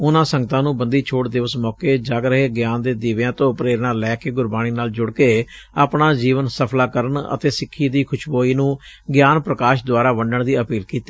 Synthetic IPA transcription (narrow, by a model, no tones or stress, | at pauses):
ʊnãːsə̃ŋɡət̪ãːnũːbənd̪iːt͡ʃʰoːʈd̪ɪʋəsmɔːkeːd͡ʒaːɡɾəɦeːɡjaːnd̪eːd̪iːʋãːt̪õːpɾeːɾnaːlɛːkeːɡʊɾbaːɽ̃iːnaːld͡ʒʊɽkeː | apɳaːd͡ʒiːʋənsəpʰlaːkəɾəɳə̰t̪eːsɪkʰːiːd̪iːkʰʊʃboːiːnũːɡjaːnpɾəkaːʃd̪ʊaːɾaːʋəɳɖəɳd̪iːəpiːlkiːt̪e̥ː